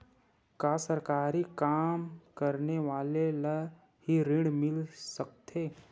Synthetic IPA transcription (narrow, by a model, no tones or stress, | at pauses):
kaːsəɾkaːɾikaːmkəɾneʋaːlela | hiɾɪ̃ɽmɪlsək̚t̪ʰeː